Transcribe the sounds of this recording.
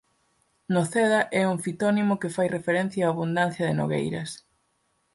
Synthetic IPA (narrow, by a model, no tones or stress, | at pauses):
noθɛðɐʔɛuŋfit̪ɔnimʊkefajrefeɾɛn̟θjaːβund̪an̟θjɐðɪno̰ɣḛjɾɐ̰s